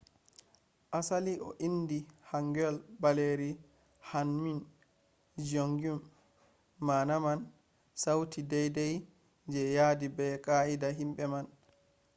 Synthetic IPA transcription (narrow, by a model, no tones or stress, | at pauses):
ʔasaliʔɔ̰ʔindihaŋɡɛlbaleɾi | hanmin | d͡ʒoŋɡumː | aːnaman | sawtidɛjdɛj | d͡ʒɛjadibɛkaidaɦimɓɛman